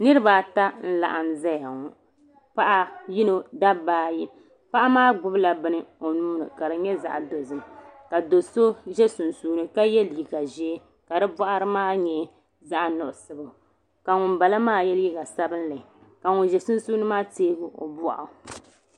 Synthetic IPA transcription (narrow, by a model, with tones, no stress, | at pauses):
nɨ˦ɾɨ˦ba˨ta˦n̩˦la̰˨ʔa˨nza˦ja˨ŋɔ˨ | pa˦ʔa˦ji˦no˨da˦baː˦ji˦ | pa˦ʔa˦maː˦ɡ͡bʊ˦bla˨bɨ˦nɨ˨o˨nuː˦nɨ̰˨ka˨ɾɨ˨ɲɛ˦za̰˨ʔa̰˨do˨zɨ˨m˨ka˨do˨so˦ʒɛ˦su˨nsuː˦nɨ˦ka˦jɛ˦lji˨ɡa˨ʒɛ˦ | ka˨dɨ˦ba˦ʔa˦ɾɨ˦maː˦ɲɛ˨ | za˦ʔa˨nʊ˨ʔʊ˨sɨ˨bɨ˨ | ka˨ŋʊ˨nba˨la˦maː˦jɛ˦lji˦ɡa˨sa˦bɨ˦n˦la˨i˨ | ka˨ŋʊ˨ʒɛ˨sʊ˦nsuː˦nɨ˦maː˦teː˦ɡʊ˨ʔo̰˨bɔ˦ʔa˨